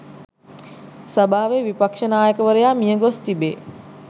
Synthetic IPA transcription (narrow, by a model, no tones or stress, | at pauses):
sabaːʋeʋipakʂənaːjəkəʋəɾəjaːmijəɡost̪ibḛː